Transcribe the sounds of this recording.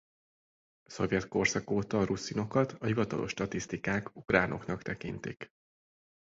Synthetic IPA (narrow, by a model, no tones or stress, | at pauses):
so̞vjɛt̪ko̞rsɒkoːt̪ɒrusːino̞kɒt̪ʰɒhivɒt̪ɒ̰lʔo̞̰ʃːt̪ɒt̪ist̪ikaːkukraːno̞̰knɒkt̪ɛkḭnt̪ḭk